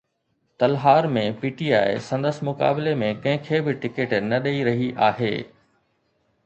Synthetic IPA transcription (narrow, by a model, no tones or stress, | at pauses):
t̪ɐlɦaːɾmẽpiːʈiaːɪsɐ̃nd̪əsmʊka̰ːbɪlemẽkɐ̃ɦɪ̃kʰeːbɪʈɪkeʈnɐɗeiɾɐɦiʔaːɦḛː